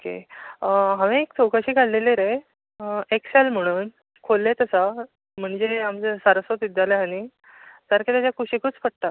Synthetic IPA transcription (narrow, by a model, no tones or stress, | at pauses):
okḛ | ɦãʋẽek̚t͡sʰowkaɕiːkaɽleleɾe | eksɛlm̤əɽ̃uːn | kʰolːet̪əsa | m̤əɳd͡zeamt͡səsaɾəsot̪id̪jaleɦañi | saɾkat̪jat͡ɕjakuɕikʰut͡spʰəɽt̪a